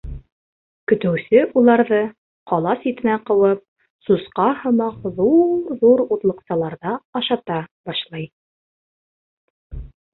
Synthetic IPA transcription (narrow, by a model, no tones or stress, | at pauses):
kɵ̆t̪ɘ̆wsɘʔulˠɑɾðɤ | qʰɒlˠɑsit̪ɘ̆næqɤ̆wɤp̚ | susqɑhɤ̆mɑqðuɾðuɾut̪lˠɤ̆qsɑlˠɑɾðɑːʃɑt̪ɑbɑʃlˠɑj